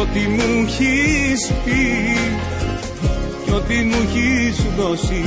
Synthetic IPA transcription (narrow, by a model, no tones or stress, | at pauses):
ot̪imuçispi | ceot̪imuçisuðosi